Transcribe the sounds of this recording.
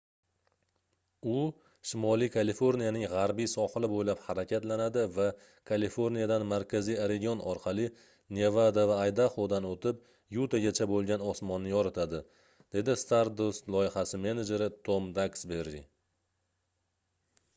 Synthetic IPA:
ʊ | ʃɪmɒlˠikʰalifoɾnijanɪŋʁaɾbijsɒhɨlɪbojlaphaɾakʲʰat̪lanad̪ɪva | kʰalifoɾnijad̪anmaɾkʲʰazijaɾeɡʲijonʔɒɾqʰɑlˠɪ | nevad̪avaːjd̪aχod̪anot̪ʰɪp̚ | jut̪aɡʲat͡ʃʰabolˠɡʲanɒsmɒnːɪjɒɾat̪ʰad̪ɪ | d̪̥e̞d̪ɪst̪aɾd̪ost̪lˠɒjɪhasɪme̞ned͡ʒe̞ɾɪt̪ʰomd̪aksbe̞ɾːi

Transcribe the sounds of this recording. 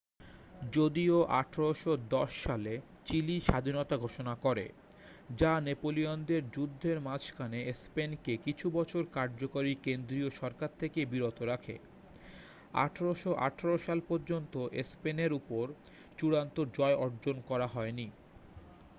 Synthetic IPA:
d͡ʑod̪ioʔa̰ʈʰaɾoʃod̪ɔʃːale | t͡ɕiliʃad̪ʱinot̪aɡʱoʃonakɔɾḛ | d͡ʑanepoliond̪eɾd͡ʑud̪ʱːeɾmat͡ɕʰkʰaneespenkekit͡ɕʰubɔt͡ɕʰoɾkaɾd͡ʑokaɾikend̪ɾioʃɔɾkaɾt̪ʰekebiɾot̪oɾakʰḛ | a̰ʈʰaɾoʃoʔa̰ʈʰaɾoʃalpoɾd͡ʑont̪oʔespeneɾupoɾ | t͡ɕuɾant̪oɾd͡ʑɔeʔɔɾd͡ʑonkɔɾaɦɔeni

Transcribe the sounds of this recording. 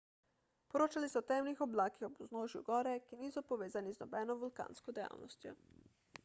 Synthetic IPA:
pɔɾoːt͡ʃalisɔt̪ɛmlixɔblaːkixɔbuznoːʒjṵɡɔːɾɛkiniːsɔpɔʋeːzaniznɔbɛnɔʋulka̰ːnskɔd̪ɛja̰ːwnɔst̪jɔ

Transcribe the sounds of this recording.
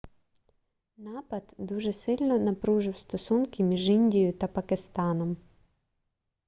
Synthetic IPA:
nɑpɐd̪d̪uʒɛsɪlʲnɔnɐpɾuʒɪwst̪ɔsunkɪmʲiʒinʲdʲijʊt̪ɐpɐkɪst̪ɑnɔm

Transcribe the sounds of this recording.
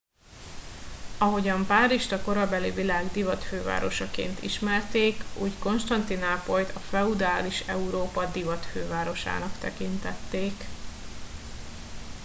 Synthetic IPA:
ɒɦo̞ɟɒmpaːɾiʃt̪ɒko̞ɾɒbɛlivilaːɡd̪ivɒt̪føːva̰ːɾo̞ʃɒkḛːnt̪ḭʃmɛrt̪eːkuːɟko̞nʃt̪ɒnt̪inaːpo̞jt̪ɒflɒud̪aːliʃɛuɾoːpɒd̪ivɒt̪føːvaːɾo̞ʃa̰ːnɒkt̪ɛkint̪ɛt̪ːeːk

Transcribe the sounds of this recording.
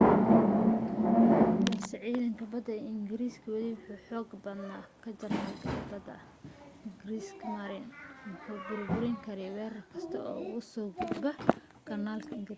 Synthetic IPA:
sɐʕiːðɐŋkʰɐbɐd̪ɐɪŋɡɪɾiːskʰɐwɐðɪwʊħuːħɔːɡbɐd̪naːkʰɐt͡ʃɐrnakʰɐbɐd̪ɐ̰ | ŋɡɪɾiːskʰmɐɾɪnmʊħuːbʊɾbʊɾɛŋkʰɐɾɛwɛːrɐkʰɐst̪ʰɐɔ̰ːʊsɔːɡud̪bɐ | ɡ̥ʰɐnaːlkʰɐɪŋɡɾ

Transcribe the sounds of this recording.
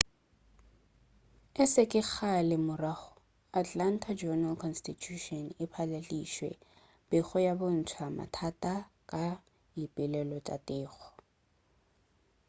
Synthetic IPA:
ɪsɪkʼɪk͡xʰalɪmʊraɣʊ | atʼlan̩tʰad͡ʒɔnalkʰɔnstitʰuʃɔnɪpʰaleliʃwɛ̰ | b̥ɪχɔjabʊn̩t͡sʰwama̰tʰatʼakʼa | jipʼɪlɛlɔt͡ʃʼa̰tʼɪːχɔ̥

